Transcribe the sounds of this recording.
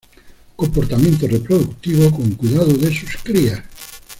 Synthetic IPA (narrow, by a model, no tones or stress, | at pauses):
kompoɾt̪amẽnt̪̬orepɾoðukt̪iβokoŋkuiðaðoðesuskɾia